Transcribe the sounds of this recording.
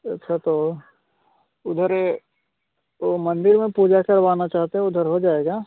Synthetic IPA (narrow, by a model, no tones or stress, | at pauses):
ɐtːʃʰat̪oː | ʊd̪ʱəɾ | omɐ̃nd̪ɪɾmẽpuːd͡ʒakɐɾʋaːnat͡ʃaːɦt̪eɦɛ̃ʊd̪ʱəɾɦod͡ʒaːeːɡaː